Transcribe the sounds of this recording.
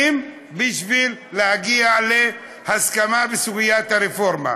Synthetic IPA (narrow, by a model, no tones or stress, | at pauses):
m | biʃvilːehaɡiale | haskamabɪsuɡɪjaːt̪haɾɪfoɾma̰